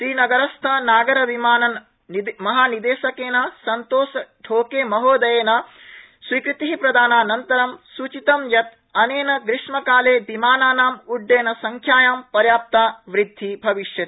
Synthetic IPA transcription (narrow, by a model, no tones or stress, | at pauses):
sɾiːnɐɡɐɾɐst̪ʰɐnaːɡɐɾɐʋimaːnɐn | mɐɦaːnid̪eːʃɐkeːnɐsɐnt̪oːsɐɖʱoːkeːmɐɦoːd̪ɐjeːnɐ | sʋiːkɾit̪iɦipɾɐd̪aːnaːnɐnt̪ɐɾɐmsut͡ʃit̪ɐmjɐt̪ | ɐneːnɐɡɾɪʂmɐkaːleːbimaːnaːnaːmuɖːeːnɐsɐŋkʰjaːjaːmpɐɾjaːp̚t̪aːʋɾid̪ʱːibʱɐʋiʂjɐt̪